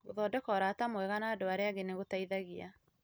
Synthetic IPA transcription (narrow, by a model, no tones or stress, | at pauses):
ɣoðɔːdɛkɔɾatamwɛɣanaːdoaɾeaɡeneɣotaiðaɣia